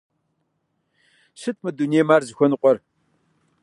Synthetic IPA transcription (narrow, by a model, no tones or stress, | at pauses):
ɕɨtʰmɨdunijmaːrzɨxʷɔnɨqʷʼɔr